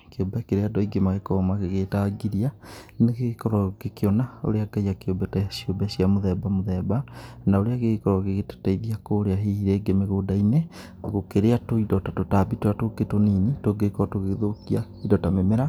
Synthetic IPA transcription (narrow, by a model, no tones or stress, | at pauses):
keombɛkeɾeadɔiɡemaɣekɔmakeɣetaɡiɾianekekɔɾɔkekeɔnao̰ɾeaɡaijakeobɛtasiobɛsiamoðɛbamoðɛbanaoɾeaɣekɔɾɔɣeɣetḁtaiðiakoːɾeaɦihiɾɛːɡemeɣoːdainɛ | ɣokeɾeatoidɔtatotabitoatoɡetoninitoɡekɔtoɣeðokiaidɔtamemeɾa